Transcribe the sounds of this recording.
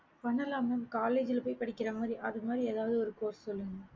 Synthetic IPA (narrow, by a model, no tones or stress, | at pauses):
pɐɳːɐlɐmɐmkaːleːd͡ʒɪlpɐɪpɐɽɪkːɪrɐmaːðɾiʔɐðɐmaːd̪ɾieːðaːʋɐðɯɔɾɯkoːssɔlːɯŋɡɐ